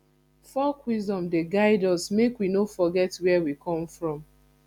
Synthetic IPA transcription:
fɔkwizdɔ̃mdeɡaɪdɔsmekwinofɔɡɛtwɛwikʰɔ̃mfɹɔ̃m

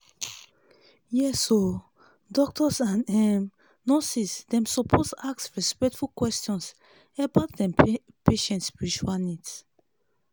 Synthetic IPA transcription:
jɛso | dɔk̚tɔsãnɛm | nosisdɛ̃msɔpʰosaksɹɛspɛk̚tfulkwɛstɔ̃ns | ɛbaʊtdɛ̃m | peʃɛ̃ntspiɹit͡ʃualnits

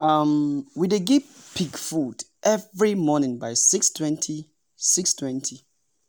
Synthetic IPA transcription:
ʌmwideɡipʰiɡfud | ʔɛvɹimɔnɪ̃ŋbaɪsikstʰwɛ̃ntʰi | sikstʰwɛ̃ntʰi

